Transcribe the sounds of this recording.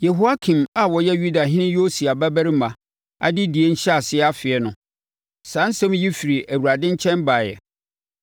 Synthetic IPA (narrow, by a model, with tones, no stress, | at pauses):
je˨ɦo˦a˦kʰĩ˨ma˨wɔ˨jɛ˦ju˦da˨ɦɪ̃˦nɪ̃˦jo˦si˨a˨bæ˦bæ˦ɾi˦mã˨ | a̰˦dɪ˦di˨e˦ɲ̩˦ɕɛ˦a˨sɪ˦ɛ˦a˦fɪ˨ɛ˨nʊ̃˨ | sãː˨˦n̩˦sã˦m˦ji˦fi˨ɾi˨ʔæ˨wu˨ɾa˨dɪ̃˦ɲ˦t͡ɕʰɛ̃˦nbaː˨jɛ̰˨